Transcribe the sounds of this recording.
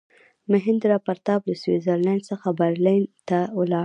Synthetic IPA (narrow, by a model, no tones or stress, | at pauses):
məɦɪnd̪əɾɑpaɾt̪ɑblaswizəɾlandsəxabaɾlajnt̪awəlɑ